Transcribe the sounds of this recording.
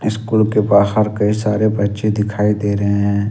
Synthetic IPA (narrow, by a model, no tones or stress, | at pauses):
ɪskuːlkepaːsɦɐɾkɐisaːɾebɐtːʃed̪ɪkʰaːid̪eːɾɐɦeɦɛ̃ː